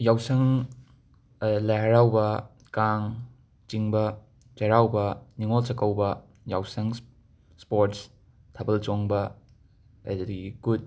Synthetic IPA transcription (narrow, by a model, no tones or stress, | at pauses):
jawsɐŋ | lɐɦɐɾawbɐ | kaŋ | t͡ʃiŋbɐ | t͡ʃɐɾawbɐniŋolt͡ʃɐkɐwbɐ | jawsɐŋ | spoɾts | tʰɐbɐlt͡ʃoŋbɐ | ɐ̰ddɡikut̚